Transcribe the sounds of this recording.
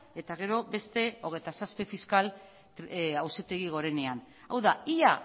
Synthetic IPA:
e̞t̪aɣ̞e̞ɾo̞be̞st̪e̞o̞ɣ̞e̞jt̪asaspefiskal | awset̪e̞ɣ̞iɣ̞o̞ɾe̞ne̞an | awðaia

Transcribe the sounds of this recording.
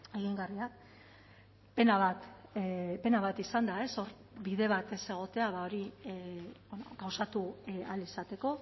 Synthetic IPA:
e̞ɣ̞iŋɡariak̚ | pe̞naβat̪ | pe̞naβ̞at̪isand̪ae̞so̞ɾ | βiðe̞β̞at̪ese̞ɣ̞o̞t̪e̞aβao̞ɾi | bono̰kawsat̪ualisat̪e̞ko̞

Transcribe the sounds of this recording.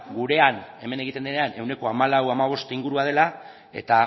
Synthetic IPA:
ɡuɾe̞ane̞me̞ne̞ɣ̞it̪e̞nd̪eneane̞wne̞ko̞amalawamaβ̞o̞st̪iŋɡuɾuað̞e̞la | e̞̰t̪a

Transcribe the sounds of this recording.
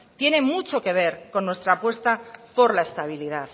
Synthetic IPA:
t̪je̞nẽ̞mut͡ʃo̞ke̞β̞e̞ɾko̞nːwe̞st̪ɾaːpwe̞st̪apo̞ɾlae̞st̪aβ̞iliðaθ

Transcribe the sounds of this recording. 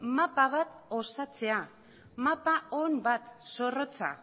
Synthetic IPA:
mapaβ̞at̪o̞sat͡se̞a | mapaombat̪so̞ro̞t͡sa̰

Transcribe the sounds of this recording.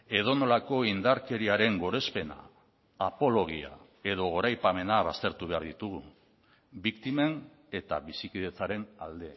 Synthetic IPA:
e̞ð̞o̞no̞lako̞ind̪aɾke̞ɾiaɾe̞ŋɡo̞ɾe̞spe̞na̰ː | po̞lo̞ɣ̞ia̰ | e̞ðo̞ɣo̞ɾajpame̞naβast̪e̞ɾt̪uβe̞aɾðit̪uɣ̞u | bikt̪ime̞n | e̞t̪a̰βisikiðe̞t͡saɾe̞nald̪e̞

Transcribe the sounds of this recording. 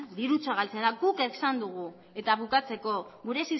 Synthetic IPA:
d̪iɾut͡saɣalt͡send̪aɡukesand̪uɣ̞u | e̞t̪aβukat͡se̞ko̞ɣuɾe̞sis

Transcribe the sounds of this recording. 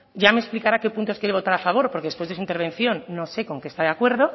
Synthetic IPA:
ɟ͡ʝameksplikaɾake̞punt̪oskjeɾeo̞t̪aɾafaβ̞o̞ɾpoɾkeð̞espwezðesuint̪e̞ɾβ̞ẽ̞nθjo̞nːo̞se̞ko̞ŋkest̪aðakwe̞ɾð̞o̞

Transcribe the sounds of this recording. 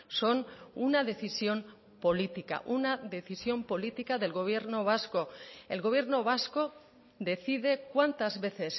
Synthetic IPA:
so̞nunaðe̞θisjo̞m | po̞lit̪ika̰ʔunaðe̞θisjo̞mpo̞lit̪ikaðe̞lɣo̞β̞je̞ɾnoβ̞asko̞elɣo̞β̞je̞ɾno̞β̞asko̞ | ðe̞θiðe̞kwant̪azβe̞θe̞s

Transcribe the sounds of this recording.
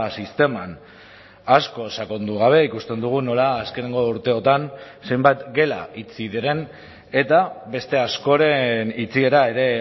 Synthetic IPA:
sist̪e̞man | asko̞sako̞nd̪uɣ̞aβ̞e̞ikust̪e̞nd̪uɣ̞uno̞laːske̞ne̞ŋɡo̞uɾt̪e̞o̞t̪an | se̞jmbajt̪ɡe̞la̰it͡siðeɾe̞n | e̞t̪aβe̞st̪e̞asko̞ɾe̞nit͡sie̞ɾae̞ɾe̞

